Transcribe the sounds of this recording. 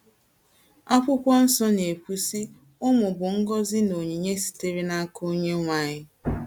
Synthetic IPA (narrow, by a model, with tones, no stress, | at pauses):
a˦kʷʊ˦kʷɔ˦n̩˦sɔ˦ne˨kʷu˦si˦ | ʊ˦mʊ˨bʊ˨ŋ̩˦ɡɔ˦zɪ˦no˨ɲe˨ɲe˦si̥˨te˦ɾi˦na˦ko˦ɲe˦ŋʷa˦ɲɪ˦